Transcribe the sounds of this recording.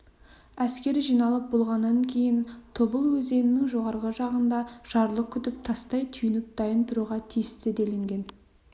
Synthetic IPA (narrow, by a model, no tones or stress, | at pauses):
æskʲe̞ɾɪʒijnɑlˠəp̚bolˠʁɑnːɑŋkʲʰe̞jɪnt̪ʰobəlˠwɵze̞nɪnɪŋʒo̞ʁɑɾʁəʒɑʁənd̪ɑʒ̥ɑɾlˠəq̚kʲʰʏt̪ɪp̚t̪ʰɑst̪ɑjt̪ʰʏjɪnɪp̚d̪̥ɑjənt̪ʰʊɾuʁɑt̪ʰijɪst̪ɪd̪e̞leŋɡʲe̞n